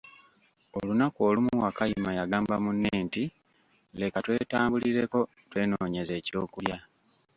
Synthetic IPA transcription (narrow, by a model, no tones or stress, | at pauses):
olunako̞ːlumuwakajimajaɡaːmbamunːeːnti | le̞katwe̞ːtaːmbuliɾe̞ko̞ | twe̞ːnoːɲe̞ze̞ːco̞ːkulja